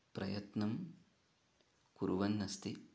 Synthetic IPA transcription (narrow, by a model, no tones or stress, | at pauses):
pɾɐjɐt̪nɐm | kuɾuʋɐnːɐst̪i